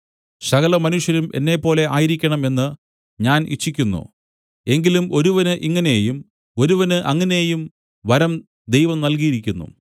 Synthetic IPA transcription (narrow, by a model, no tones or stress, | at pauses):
sɐɣɐlɐmɐnuʂjɐɾumʔe̞̰nːe̞pːo̞ːle̞ʔaːjiɾikʲːɐɳɐme̞nːɨ | ɲaːnḭt͡ɕːikʲːunːṵ | e̞ŋɡilumo̞ɾuʋɐnɨʔiŋːɐnejum | o̞ɾuʋɐnɨʔɐŋːɐnejum | ʋɐɾɐm | d̪e̞jʋɐmnɐlk̬ijiɾikʲːunːṵ